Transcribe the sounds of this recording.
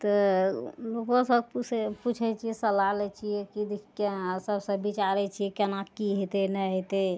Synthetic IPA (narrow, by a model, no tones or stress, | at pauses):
t̪ɔ | lokõsəb̚puput͡ʃʰɛt͡ʃʰiɛsəlalɛt͡ʃʰijɛkid̪ikesəbsəbbit͡ʃaɾɛt͡ʃʰijɛkenakiɦet̪enɛɦet̪e